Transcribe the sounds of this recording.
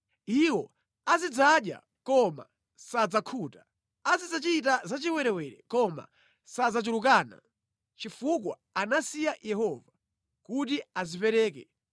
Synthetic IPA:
iwɔ | azid͡zaɗja̰ | kɔma̰ | sad͡zakʰutḁ | azid͡zat͡ʃiit̬azat͡ʃiwɛɾɛwɛɾɛ̰kɔma̰ | sad͡zat͡ʃuluk̬aːna̰ | t͡ʃifuk̬wa̰ | anasijajɛhɔva | kut̬iazipɛɾɛːk̬ɛ̰

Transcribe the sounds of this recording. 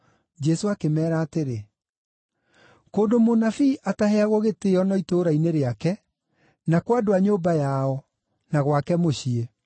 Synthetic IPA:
d͡ʒɛsoakemɛːɾaːteɾe | koːdomonafiʔataheaɣwɔɣeteːɔnɔitoːɾaineɾeakɛ | nakwadoaɲoːbajaɔ | naɣwakɛmoɕie

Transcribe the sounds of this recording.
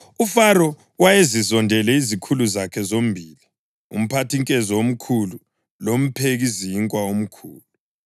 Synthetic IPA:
ufaɾɔ | wajezizɔndʱɛlɛizikʰuluzakʰɛzom̩bʱiːli | ṵm̩pʰatʰiŋkʼɛzɔom̩kʰulu | lom̩pʰeɣiziːŋkʼwaom̩kʰuːlu

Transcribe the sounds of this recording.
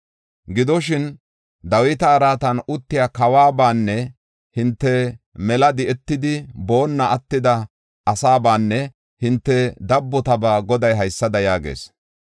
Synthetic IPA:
ɡɪd̪ɔʃɪn | d̪ɐwɪt̪ɐːɾaːt̪ɐnʊt̪ːɪjaːkɐwaːbaːnːɛ | hɪnt̪ːɛmɛlɐd̪ɪʔɛt̪ːɪd̪ɪbo̞ːnːɐʔɐt̪ːɪd̪ɐ | ʔɐsaːbaːnːɛ | hɪnt̪ːɛd̪ɐbːɔt̪ɐbaːɡɔd̪ɐjɦɐjsːɐd̪ɐjaːɡḛːs

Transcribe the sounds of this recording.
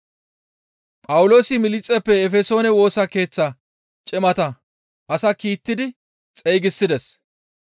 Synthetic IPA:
pʼɐwʊlo̞ːsɪmɪlɪt͡sʼːɛpːɛːfɛso̞ːnɛwo̞ːsɐke̞ːt͡sːɐ | t͡ʃʼɪmɐt̪ɐ | ʔɐsɐkiːt̪ːɪd̪ɪ | t͡sʼɛjɡɪsːɪd̪ɛs

